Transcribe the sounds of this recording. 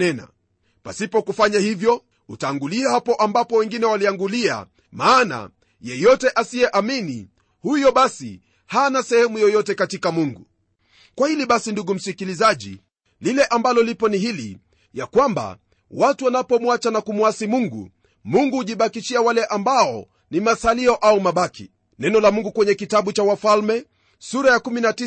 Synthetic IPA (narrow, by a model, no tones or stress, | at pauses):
ɛna̰ | pa̰sipɔkufaɲahivjɔ | utaːŋɡuliahapɔʔambapɔwɛŋɡinɛwaliaŋɡulia̰ | maːna̰ | jɛjɔtɛʔasiɛʔamini | hujɔɓasḭ | hanasɛhɛmujɔjɔtɛkatikamuŋɡu | kwahiliɓasinduɡum̩sikilizaʄḭ | lilɛʔambalɔlipɔnihilḭ | jakwamba̰ | watuwanapɔmwat͡ʃanakumwasimuŋɡṵ | muŋɡuhuʄiɓakiʃiawalɛʔambaɔ | nimasaliɔʔaumaɓaki | nɛnɔlamuŋɡukwɛɲɛkitaɓut͡ʃawafalmɛ | suɾajakuminati